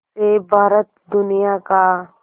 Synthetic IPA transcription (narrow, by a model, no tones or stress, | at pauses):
sebʱaːɾət̪̚d̪ʊnijaka